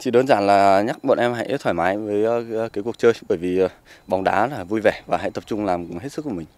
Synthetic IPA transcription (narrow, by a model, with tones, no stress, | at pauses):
t͡ɕḭ˧˨ɗo˨˧˦nzaː˧˩nlaː˨˩ɲa˦˥k̚ɓo̰˧˨nʔɛ˧mha̰˧˥jt̪ʰwaː˧˩jmaː˨˦jvəː˨˦jkaː˨˦jku˨˩ək̚t͡ɕəː˧jɓəː˧˩jvi˨˩˨ | ɓɔ˨˩wŋ͡mɗaː˨˦laː˨˩vu˧jvɛ˧˩vaː˨˩ɦa̰˧˥˨jt̪ə˨˩p̚t͡ɕʊ˧ŋ͡mlaː˨˩mɦe˦˥t̚sɨ˦˥kːu˧˩mï˨˩ŋ̟